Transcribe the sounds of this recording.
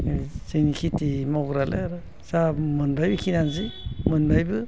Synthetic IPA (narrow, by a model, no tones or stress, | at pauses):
sɯnikʰitimɔɡɾalʔḛaɾɯ | samɯnbajbɯkʰinanzimɯnbajbɯ